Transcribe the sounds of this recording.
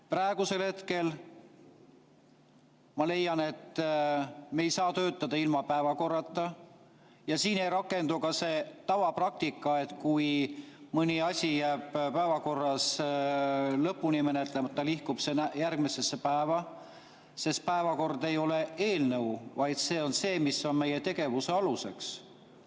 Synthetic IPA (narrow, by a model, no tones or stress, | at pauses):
prɑeɡ̥use̞lhe̞t̪ke̞l | mɑle̞jːɑne̞t̪ | me̞jsɑːt̪ø̞ːt̪ːˑɑd̪̥ɑilmɑpæevɑko̞rːɑt̪ːˑɑ | jɑsiːnejɾɑkːˑe̞nd̪̥ukɑse̞ːt̪ɑvɑprɑk̚t̪ikːˑɑe̞t̪kujmɯnʲiɑsʲijæːb̥pæevɑko̞rːɑs | lɤpːˑunime̞net̪ˑlemɑt̪ːˑɑlihkub̥se̞næjærɡmise̞sːepæevɑ | se̞st̪̚pæevɑko̞rd̪e̞jo̞le̞e̞ːlnəwvɑjd̪̥se̞ːo̞nse̞ːmisːo̞nme̞je̞t̪e̞ɡ̥e̞vuseɑluse̞ks